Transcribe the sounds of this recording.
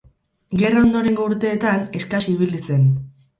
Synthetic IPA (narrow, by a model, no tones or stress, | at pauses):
ɡe̞rao̞nd̪o̞ɾe̞ŋɡo̞uɾt̪e̞ːt̪ane̞skaʃiiβilise̞n